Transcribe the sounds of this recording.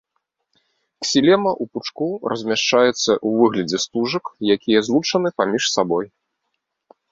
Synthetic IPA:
ksʲilʲɛmɐʔuput͡ʂkurɐzʲmʲaʂt͡ʂajɛt̪sːɐʔuvɨɣlʲɐd͡zʲɛst̪uʐɐkjakʲijɐzlˠut͡ʂɐnɨpamʲiʂsabɔj

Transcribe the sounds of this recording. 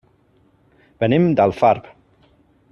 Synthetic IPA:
b̥ənimd̪alˠfaɾp

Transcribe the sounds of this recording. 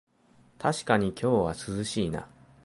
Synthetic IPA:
t̪ʰaɕi̥kaɲ̟ikʲo̞ːβasɨzɨɕiːna̰

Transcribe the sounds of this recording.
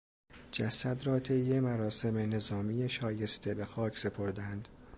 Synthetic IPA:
d͡ʒæsæd̪ɾɒːt̪ʰe̞jːe̞mæɾɒːse̞me̞ne̞zɒːmijeʃɒːje̞st̪ʰe̞be̞xɒːcʰse̞pʰo̞ɾd̪ænd̪̥

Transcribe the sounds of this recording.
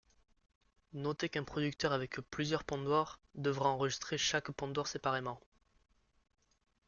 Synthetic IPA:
nɔt̪ekɛ̃pχɔd̪ykt̪œʁavɛkplyzjœʁpɔ̃d̪waʁd̪əvʁaɑ̃ʁəʒist̪χeʃakpɔ̃d̪waʁsepaʁemɑ̃

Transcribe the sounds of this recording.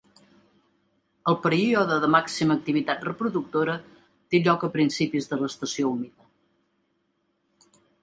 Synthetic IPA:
əlˠpəɾiɔðəðəmaksiməːk̚t̪iβit̪at̪rəpɾuðuk̚t̪oɾə | t̪eʎɔkəpɾinsipizðələst̪əsioumiðə

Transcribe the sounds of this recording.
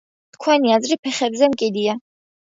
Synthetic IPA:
t̪ʰkʰwɛniazɾipʰɛχɛbzɛmkʼid̪ia

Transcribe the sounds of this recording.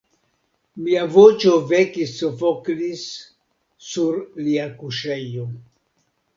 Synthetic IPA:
miavot͡ʃo̞vekisːofoklisː | uɾliakuʃejo

